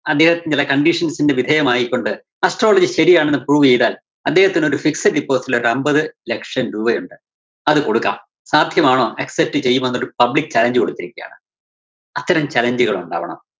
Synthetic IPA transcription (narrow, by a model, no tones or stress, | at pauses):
ɐd̪ːeːhɐt̪ːint͡ɕilɐkɐɳɖiʂɐnsinde̞ʋid̪ʱɐjɐmaːjikʲːo̞ɳɖɨ | ɐsʈro̞ːlɐd͡ʑɨɕɐɾijaːɳenːɨpuːuʋit͡ɕejðaːl | ɐd̪ːe̞ːhɐt̪ːino̞ɾufiksɐɖipːoːsiloɾɐmbɐðɨlekʂɐnɾuːbɐjuɳɖɨ | ɐðɨko̞ɽukːa̰ːm | saːd̪ʱjɐmaːɳo̞ːeksep̚tːɨt͡ɕe̞jːumɐnːoɾupɐblikːɨt͡ɕɐlɐɲd͡ʑɨko̞ɽukːiɾikʲːɐja̰ːɳɨ | ɐt̪ːɐɾɐmt͡ɕɐlɐɲd͡ʑɨɣɐɭuɳɖa̰ːʋɐɳɐ̰m